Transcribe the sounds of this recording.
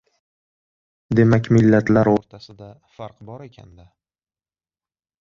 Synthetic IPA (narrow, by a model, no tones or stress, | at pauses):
d̪e̞makʲmɪlːat̪ʰlaɾoɾt̪ʰasɪd̪a | faɾqbɒɾe̞kʲʰa̰nd̪a